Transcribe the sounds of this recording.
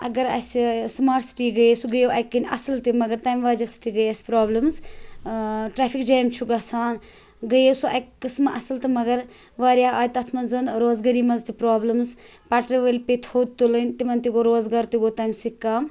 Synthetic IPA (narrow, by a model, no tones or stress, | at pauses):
ɐ̰ɡɐɾɐ̰sismaːʈsi̥ʈiːɡɐjesuɡəjowʔɐjkːɐnʲʔɐ̰sɐlt̪imɐɡɐɾt̪aːmʋaːd͡ʒɐsɨ̥t̪iɡɐjɐspɾaːblɐmz | ʈɾaːpʰikd͡ʒaːjmt͡ʃʰuɡɐsaːn | ɡɐjesuʔɐjkːɨsmɐʔɐsɐlt̪ɨmɐɡɐɾ | ʋaːɾjaːaːjt̪ɐt̪ʰmɐnzɐnɾoːzɡɐɾiːmɐzt̪ipɾaːblɐmzpaːʈɾiʋɐlʲpet̪ʰhoːd̪̚t̪ulɨnʲt̪imɐnt̪iɡoːɾoːzɡaɾt̪iɡoːt̪aːmsikːam